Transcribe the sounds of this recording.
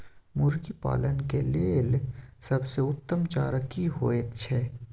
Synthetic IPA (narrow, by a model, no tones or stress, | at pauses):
mʊɾɡipa̰ːlənkeleːlsɐbseʊt̪ːəmt͡ʃaːɾəkiɦoːet̪t͡ʃʰeː